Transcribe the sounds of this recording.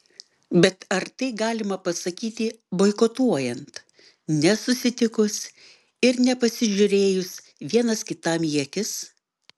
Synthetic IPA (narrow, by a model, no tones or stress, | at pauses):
bʲɛt̪ɐɾt̪ɐɪɡɑːlʲɪmɐpɐsɐkʲiːt̪ʲɪ | boːɪkɔt̪uɔjɛnt̪ | nʲɛsʊsʲɪt̪ʲɪkʊs | ɪɾnʲɛpɐsʲɪʒʲʊɾʲeːjʊs | ʋʲiɛnɐskʲɪt̪ɑːmjiɛkʲɪs